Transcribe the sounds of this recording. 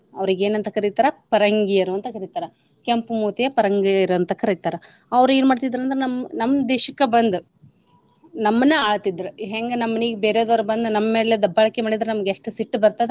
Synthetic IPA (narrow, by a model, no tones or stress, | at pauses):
ɐʋɾiɡeːnɐnt̪ɐkɐɾit̪aːɾɐpɐɾɐŋɡijɐɾuɐnt̪ɐkɐɾit̪aːɾɐ | kempmuːt̪ijɐpɐɾɐŋɡiɐɾuɐnt̪ɐkɐɾit̪aːɾɐ | ɐʋɐɾuenumaːɽt̪id̪ɐɾɐnd̪ɐɾenɐmːnɐmːd̪eːʃɐkːebɐnd̪u | nɐmːɐnːeaːɭt̪id̪ːɐɾuɦeːŋɡenɐmːɐniːɡebeːɾejoːd̪ɐʋɾubɐnd̪unɐmːɐme̞ːled̪ɐbːɐɭɐkːemaːɽid̪ɐɾenɐmɐɡeʂʈusiʈːbɐɾt̪ad̪e